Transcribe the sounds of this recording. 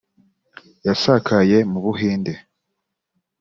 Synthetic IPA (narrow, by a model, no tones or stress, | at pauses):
jasakʰaje̞muβuɦiːnde